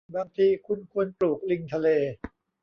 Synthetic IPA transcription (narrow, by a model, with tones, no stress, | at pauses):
baː˧ŋt̪ʰiː˧kʰu˧nkʰu˧ənpluː˨˩k̚li˧ŋt̪ʰa˧leː˧